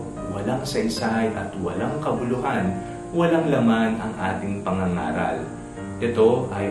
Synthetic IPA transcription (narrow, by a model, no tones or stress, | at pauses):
wɐlaŋsɐʔɪsajʔɐ̰t̪wɐ̰laŋkɐbʊlʊɦan | wɐlaŋlɐmanɐŋʔaːt̪ɪŋpɐŋɐŋa̰ːɾɐ̰l | ʔɛt̪o̞ʔɐj